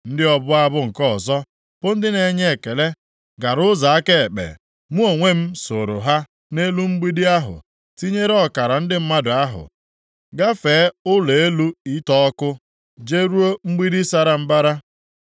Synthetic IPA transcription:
n̩˦dɪ˦ɔ˦bʊ˦a˦bʊ˦ŋ̩˨kɔ˦˨zɔ˦ | pʊ˦n̩˦dɪ˦ne˨ɲe˦e˨ke˨le˦ | ɡa˨ɾʊ˦za˨a˦ke˦˨k͡pḛ˨ | mu˦o˨ŋʷe˦m̩˦so˨ɾʊ̰˨ɦa˦ | ne˦lu˦ŋ͡m̩˦ɡ͡bi˦di˦a˦ɦʊ̰˨ | ti˦ɲe˦ɾe˦ɔ˦ka˨ɾa˨n̩˦dɪ˦m̩˦ma˦dʊ˨a˦ɦʊ̰˨ | ɡa˦feː˨˦ʊ˦le˨e˦lu˦i˦tɔ˦ɔ˦kʊ˦ | d͡ʒe˦ɾu˦o˦ŋ͡m̩˦ɡ͡bi˦di˦sa˦ɾa˨m̩˦ba˦ɾa˦

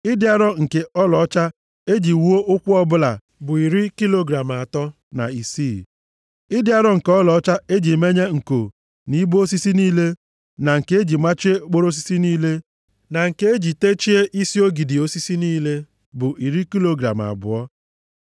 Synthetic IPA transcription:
i˦dɪ˦a˦ɾɔ˦ŋ̩˨ke˦ɔ˦lɔ˨ɔ˦t͡ʃa˦ | e˦d͡ʒi˨wu˦o˦ʔʊ˦kʷu˦ɔ˦bʊ˦la̰˨ | bʊ˨i˨ɾi˦ki˦lo˦ɡɾa˨m˨a˨tɔ˦ | na̰˨i˨si˦˨ | ɪ˦dɪ˦a˦ɾɔ˦ŋ̩˨kɔ˦lɔ˨ɔ˦t͡ʃa˦e˦d͡ʒi˨me˦ɲe˦ŋ̩˨ko˨ | ni˦bo˦si˦si˦niː˦le˦ | na˨ŋ̩˨ke˦e˦d͡ʒi˨ma˦t͡ʃi˦e˦k͡po˦ɾo˦s̬i̥˦si˦niː˦le˦ | na˨ŋ̩˨ke˦e˦d͡ʒi˨te˦t͡ʃi˦e˦ʔi˦si˦o˦ɡi˨di˨o˦si˦si˦niː˦le˦ | bʊ˨ʔi˨ɾi˦ki˦lo˦ɡɾa̰˨m˨a̰˨bʊ̰˨ɔ˦

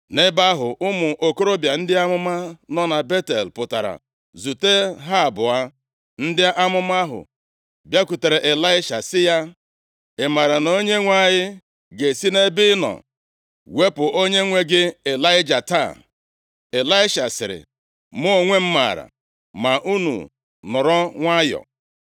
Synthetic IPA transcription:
ne˦ba˦ɦʊ˨ʊ˦mʊ˨ʔo˨ko˦ɾo˦bja˨n̩˦dɪ˦a˦mʊ˦ma˦nɔ˦na˨be˦te˨lpʊ˨ta̰˨ɾa̰˨ | zu˨te˦ɦa˦a˨bʊ˨a˦ | n̩˦dɪ˦a˦ʔa˦mʊ˦ma˦ɦʊ̰˨ | bja˦ku˨te˨ɾe˨ʔe˨la˦ɪ˦ʃa̰˨sɪ˦ja˦ | ɪ˨ma˨ɾa˨no˦ɲe˦ŋʷa˦˨ɲɪ˦ | ɡe˨si˦ne˦bɪ˦nɔ̰˨ | we˦pʊ˨ʔo˦ɲe˦ŋʷe˦ɡɪ˦e˨la˦ɪ˦d͡ʒa˨ta˦˨ | e˨la˦ɪ˦ʃa˨sɪ̰˨ɾɪ̰˨ | mʊ˦˨ŋʷe˦m̩˦ma̰˨ɾa̰˨ | ma˨ʔu˦nṵ˨ | nʊ˨ɾɔ˦ŋʷa˦jɔ̰˨

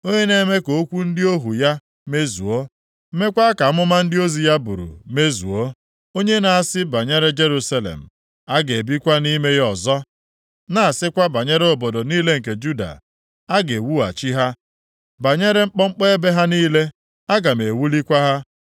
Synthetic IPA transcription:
o˦ɲe˦ne˦me˦ko˨o˦kʷu˦n̩˦dɪ˦o˦ɦu˨ja˦ | me˦zṵ˨o˦ | me˦kʷa˦a˦ka˨˦mʊ˦ma˦n̩˦dɪ˦o˦zi˨ja˦bṵ˨ɾṵ˨me˦zṵ˨o˦ | o˦ɲe˦na˨a˨sɪ˦ba˨ɲe˦ɾe˦d͡ʒe˦ɾu˦sa˦lḛ˨m̩˨ | a˦ɡe˨e˨bi˦kʷa˦ni˦me˦jɔ˨zɔ˦ | na˦˨a˨sɪ˦kʷa˦ba˨ɲe˦ɾe˦o˨bɔ˨do˨niː˦le˦ŋ̩˨k̬e˨d͡ʒu˦da̰˨ | a˦ɡe˨wu˦a̰˨t͡ʃi˦ɦa˦ | ba˨ɲe˦ɾe˦ŋ͡m̩˦k͡pɔ˦ŋ͡m̩˦k͡pe˦e˦be˦ɦa˦niː˦le˦ | a˦ɡa˨me˨wu˦li˦kʷa˦ɦa˦

